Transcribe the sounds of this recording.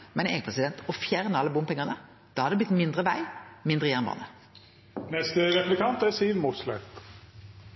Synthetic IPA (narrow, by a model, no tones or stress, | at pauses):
mɛneːɡəpʰʁɛsɪd̪ɛnt̪ɔfjæʁnəɑlːəbʊmpʰɛŋːəʁnə | d̪̥ɑːhɑɾd̪ɛblɪt̪mɪnd̪ʁəʋæɪmɪnd̪ʁəjæʁnbɑ̰ːnə | nɛst̪əɾɛplɪkʰɑnt̪æɾsiːnmuːt̪slœʏt̪